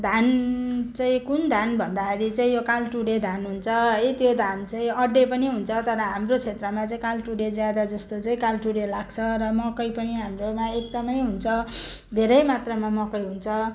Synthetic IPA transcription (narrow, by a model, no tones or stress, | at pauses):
d̪ʱant͡saĩkund̪ʱanbʱʌnd̪aʌɾit͡sãĩjokalʈuɽed̪ʱanɦunt͡sʰʌɦʌit̪jod̪ʱant͡saĩʌɖepʌniɦunt͡sʰʌt̪ʌɾʌɦamrot͡sʰet̪rʌmat͡saĩkalʈuɽed͡zjad̪ad͡zʌst̪ot͡saĩkalʈuɽelaɡt͡sʰʌɾʌmʌkʌjpʌniɦamromaek̚d̪ʌmʌjɦunt͡sʰʌ | d̪ʱeɾʌjmat̪rʌmamʌkʌjɦunt͡sʰʌ